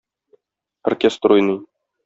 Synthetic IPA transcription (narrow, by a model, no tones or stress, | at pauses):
ɐ̰rkʲest̪rojnɤj